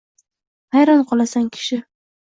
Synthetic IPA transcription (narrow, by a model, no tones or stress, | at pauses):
hajɾɒnqʰɒlˠasaŋkʲʰɪ̥ʃɪ